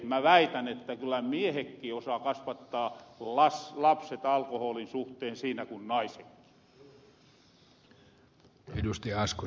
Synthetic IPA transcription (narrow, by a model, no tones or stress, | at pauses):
mæʋæit̪ænet̪ːækylːˑæmiehekːiːosɑkɑsʋɑt̪ːɑːlɑslɑpset̪ɑlkohoːlinsuht̪eːnsiːnækunnɑisekːi̥ | edust̪iɑɑsku